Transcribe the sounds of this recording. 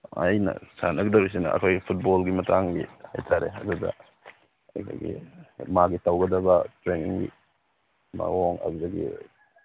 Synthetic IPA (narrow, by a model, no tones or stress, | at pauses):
ɐ̰jnɐ̰sanɐɡdɐbis̬inɐ̰ɐ̰kʰojipʰut̚bolɡimɐtʰaŋɡihajtʰaɾḛɐdudɐ̰ | ɐjkʰojɡḭmaɡitawɡɐdɐbɐtɾeniŋɡḭ | ma̰woŋa̰ɡzɐɡḭ